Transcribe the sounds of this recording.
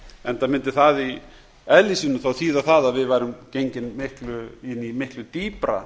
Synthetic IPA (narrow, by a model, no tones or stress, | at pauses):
ɛnt̪amɪnt̪ɪθaði | ɛlisɪnʏmθawθiːðaθaðaðvɪðvaːjɾʏmcejɲcɪnmɪhklʏɪnːimɪhklʏt̪iːpɾa̰